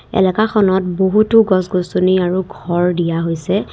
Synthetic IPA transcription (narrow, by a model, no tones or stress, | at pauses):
ɛ̰lɛkaxɔnɔt̚boɦutʊɡɔsɡosoniaɹuɡʱɔɹdijaɦojsɛ